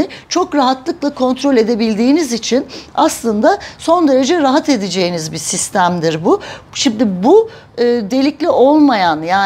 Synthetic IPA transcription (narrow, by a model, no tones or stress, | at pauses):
ɪt͡ʃʰo̞kɾaɦat̪lˠɯklˠakʰo̞nt̪ɾo̞lʲe̞d̪e̞bilʲd̪iːnizit͡ʃʰinaslˠɯnd̪aso̞nd̪e̞ɾe̞d͡ʒɛɾaɦat̪e̞d̪ed͡ʒe̞jinizbisist̪ʰæmd̪iɾbuʃimd̪ɪbu | ɯːd̪e̞lʲiclʲio̞lˠmajanjaː